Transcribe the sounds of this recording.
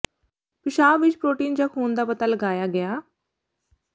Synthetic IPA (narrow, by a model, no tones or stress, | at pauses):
pɪʃaːbʋɪt͡ʃpɾoːʈiːnd͡ʒaːkʰuːnd̪aːpət̪aːləɡaːjaːɡɪaː